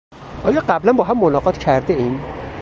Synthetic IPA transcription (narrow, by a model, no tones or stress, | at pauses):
ʔɒːjɒːɢæblænbɒːɦæmːonɒːɢɒːt̪ʰcʰæɾd̪eiːm